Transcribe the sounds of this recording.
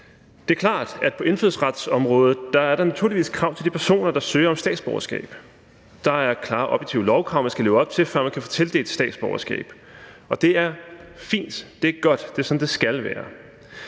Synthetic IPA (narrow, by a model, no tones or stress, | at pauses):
d̥e̝ækʰlɑ̰̈ːd̥æd̥pʰɒ̽ʔe̝nføðˠsʁad̥sɒ̽mʁɔ̽ːð̩ˠd̥ɑ̈æɐɾɑ̈næt͡sʰuɐliʋḭːskʰʁɑ̈ʊ̰t͡sʰld̥ipʰæɐso̝̰ːnɐd̥ɑ̈søːɐɒ̽msd̥ɛ̰ːd̥sb̥ɒʊɐsɡ̥ɛ̰ːb̥ | d̥ɑ̈æɐkʰlɑ̈ːʔɒ̽b̥jeɡ̥̚t͡sʰiʊlɒʊkʰʁɑ̈ʊ̰mænsɡ̥æleːʊɒ̽b̥̚t͡sʰe̝fɶɐ̰mænkʰæfɔ̽t͡sʰe̝ləd̥e̝ːd̥sd̥ɛ̰ːd̥sb̥ɒʊɐsɡ̥ɛ̰ːb̥ | ɒ̽d̥e̝æɐfḭːnd̥d̥e̝æɐɡ̥ɒ̽d̥d̥e̝sɒ̽nd̥e̝sɡ̥ælʋæːɐ